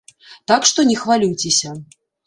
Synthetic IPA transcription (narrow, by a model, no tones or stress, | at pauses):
t̪akʂt̪ɔnʲɛxvalʲiwt͡sʲesʲɐ